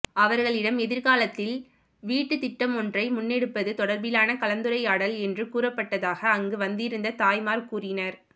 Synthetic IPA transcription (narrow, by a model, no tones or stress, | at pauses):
ɐʋɐɾɣɐɭɪɽɐmɛðɪɾɣaːlɐt̪ːɪl | ʋiːʈːɯt̪ɪʈːɐmɔndrɐɪmʊnːɛɽɯpːɐðɯt̪ɔɽɐɾbɪlaːnɐkɐlɐnd̪ɯɾɐɪaːɽɐlɛndrɯkuːrɐpːɐʈːɐðaːɣɐːŋɡɯʋɐnd̪ɪɾɯnd̪ɐt̪aːjmaːɾkuːrɪnɐɾ